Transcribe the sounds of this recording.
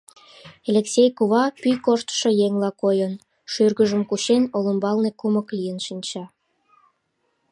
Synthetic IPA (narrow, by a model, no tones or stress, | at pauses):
elʲeksʲejkuβɑpyjkoʃt̪ə̥ʃojeŋlɑkojən | ʃyrɣəʒəmkuɕenoləmbɑlnekuməklijənʃinʲt͡ɕɑ